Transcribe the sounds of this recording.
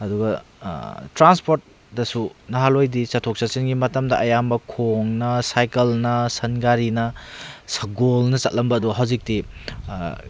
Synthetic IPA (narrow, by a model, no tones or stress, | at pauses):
ɐduɡɐ | tɾanspoɾt̚ | dɐsunɐɦalojdisɐtʰok̚sasenɡimɐtɐmdɐʔɐjambɐkʰoŋnɐsajkɐlnɐsɐnɡaɾinɐ | sɐɡolnɐt͡ʃɐt̚lʔɐmbɐːduɦawzik̚ti